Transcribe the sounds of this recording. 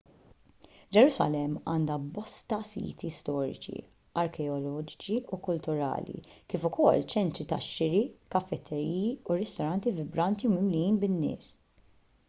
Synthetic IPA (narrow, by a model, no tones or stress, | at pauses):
d͡ʒɛɾusɐ̰lɛmːɐːnd̪ɐbɔst̪ɐsḭːt̪ist̪ɔːɾɪ̰t͡ʃḭ | ɐɾkɛɔlɔːd͡ʒɪ̥t͡ʃiukʊlt̪ʊɾɐ̰ːlḭkiːfʊkɔlːt͡ʃɛnt̪ɾit̪ɐʃːɪɾikɐfːɛt̪ʰːɛɾiːjiuɾɛst̪ɔɾɐnt̪ivɪbɾɐnt̪iwmɪmlijiːnbɪnːɪ̰ːs